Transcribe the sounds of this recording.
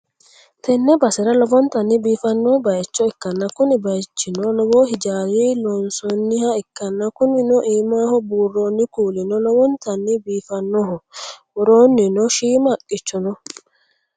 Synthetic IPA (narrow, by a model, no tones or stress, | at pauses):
t̪ɛnːɛbɐsɛɾɐlɔbɔnt̪ɐnːɪbiːfɐnːɔbɐjt͡ʃːɔɪkːɐnːɐkʊnɪbɐjt͡ʃːɪnɔlɔbɔhɪd͡ʒaːliːlɔnsɔnːɪhɐɪkːɐnːɐkʊnɪnɔʔiːmaːhɔbuːrːoːnːɪkuːlɪnɔlɔwɔnt̪ɐnːɪbiːfɐnːɔhɔ | ʊɾoːnːɪnɔʃiːmɐkʼːɪt͡ʃːɔnɔ